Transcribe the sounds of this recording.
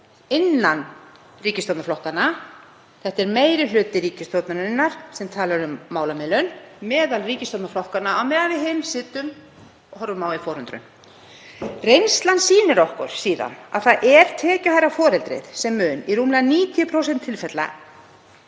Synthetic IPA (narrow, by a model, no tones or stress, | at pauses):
ɪnːan | riːcɪst̪owt̪naflɔhkana | θɛht̪ɛɾmeːjɾɪl̥ʏːt̪ɪɾiːcɪst̪owt̪naɾɪnːaɾ̥sɛmt̪ʰaːlaɾʏmːaːwlamɪlʏnmɛːðalriːcɪst̪owt̪naflɔhkanaʔawmɛːðavɪðɦɪnsɪːt̪ʏm | ɔhɔɾvʏmawifɔːɾhʏnt̪ɾʏ̰m | rejnst̪lansiːnɪɾɔhkʏɾ̥siːða̰na̰ðθaðʔɛɾ̥t̪ʰɛːcʏhajɾafɔːɾɛlt̪ɾɪ̰ðsɛmːʏːniruːmlðaniːt̪ʰijʏpʰɾowsɛnt̪ʰːɪlfɛt̪la̰